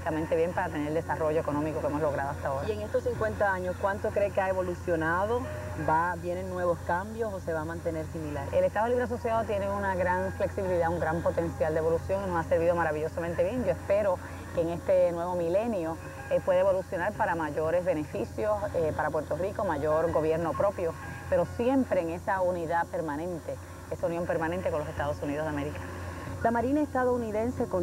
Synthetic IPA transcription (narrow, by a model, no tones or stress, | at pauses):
t̪amẽnt̪eβjempaɾat̪e̞neɾld̪esaro̞ʝoe̞ko̞nõ̞miko̞keemo̞sloɣ̞ɾaðoast̪aoɾaeŋest̪ossiŋkwe̞nt̪aaɲoskwant̪okɾekeaeβo̞lusjo̞naðo | babje̞neŋnwe̞βo̞skambjo̞soseβamãnt̪e̞ne̞ɾsimilaɾelest̪aðoliβɾeaso̞sjaðot̪je̞neunaɣɾaŋfle̞ksiβiliðauŋɡɾampo̞t̪e̞nsjald̪eβo̞lusjo̞ŋinosase̞ɾβiðo̞maɾaβiʝo̞samẽnt̪e̞βje̞ŋd͡ʒoespe̞ɾo̞ | keːŋe̞st̪e̞nwe̞βo̞mile̞njo̞ | epwe̞ðeβo̞lusjo̞naɾpaɾamaʝoɾe̞zβe̞ne̞fisjo̞sepaɾapwe̞ɾt̪o̞riko̞maʝo̞ɾɡo̞βje̞ɾno̞pɾo̞pjo̞ | pe̞ɾo̞sje̞mpɾeːŋe̞sauniðape̞ɾmãnẽ̞nt̪e̞ | e̞saunjõ̞mpe̞ɾmãnẽnt̪eko̞nlose̞st̪aðo̞suniðozðeameɾikḁ | lamaɾinaest̪aðouniðẽ̞nse̞ko